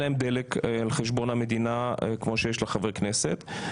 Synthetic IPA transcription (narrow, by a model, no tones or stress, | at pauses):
laemd̪elekːlχeʃbo̞name̞d̪inakmo̞ʃejeʃlaχavekne̞set̪